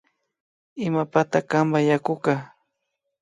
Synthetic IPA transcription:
ɪmapat̪akambajakʊka

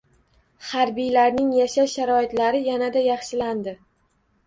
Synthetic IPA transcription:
haɾbijlaɾnɪŋjaʃaʃaɾɒɪt̪laɾɪjanad̪ajɑχʃɪland̪ɪ

